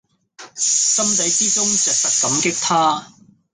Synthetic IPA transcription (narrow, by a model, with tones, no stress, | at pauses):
sɐ˥mt̪ɐ˨˥jt͡siː˥t͡sʊ˥ŋt͡sɛː˨˩k̚sɐ˨t̚kɐ˨˥mkɪ˥k̚t̪ʰaː˥